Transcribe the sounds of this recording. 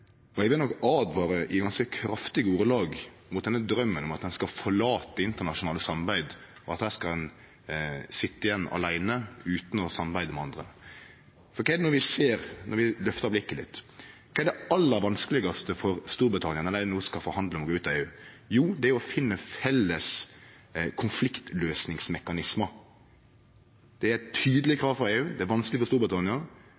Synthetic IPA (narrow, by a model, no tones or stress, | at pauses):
ɔɪʋɪlnɔkːɑːd̪ʋɑːɾəʔɪɡɑnskəkʰɾɑft̪ɪɡəuːɾəlɑːɡ | mʊt̪d̪ɛnːəd̪ɾœmːənɔmɑt̪d̪ɛnskɑfɔɾɭɑːt̪əɪnt̪əɾɳɑʂʊnɑːləsɑmɾbæɪd̪ɔɑt̪hæːʂskɑd̪ɛn | sɪt̪ːəɪjɛnːɑ̰læɪnəʉːt̪n̩ɔsɑmɑɾbæɪd̪əmɛɑnd̪ɾə | fɔɾkʰːnɔɾʋɪseːɾnɔɾʋɪlœft̪əɾblɪkːəlɪ̰t̪ːkʰɑːæɖ̪ɛɑlːəɾʋɑnskəlɪɡɑst̪əfɔɾst̪uːɾbɾət̪ʰɑnɪənɛlænuːəskɑlfɔɾhɑnd̪ləɔmɔɡoːʉːt̪ːɑeːʉː | juːd̪ɛæjʊɔfɪnːəfɛlːəs | kʰʊnflɪkt̪løːsnɪŋsmɛkɑnɪsmə | d̪̥ɛæɾt̪ʰyːd̪əlɪkʰɾɑːʋfɾɔɾeːʉːd̪ɛæɾʋɑnsklɪfɔɾst̪uːɾbɾɪt̪ʰɑnɪɑ